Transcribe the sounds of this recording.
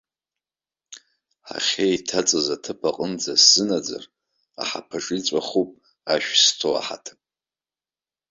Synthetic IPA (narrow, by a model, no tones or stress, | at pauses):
ħa̰χʲejtʰat͡sʼɨzatʰɨpʰaqʼənd͡zasz̥ɨnad͡za̰r | a̰ħapʰaʈ͡ʂʼit͡sʷʼaχupʼ | aʃᶣstʰoa̰ħa̰tʰ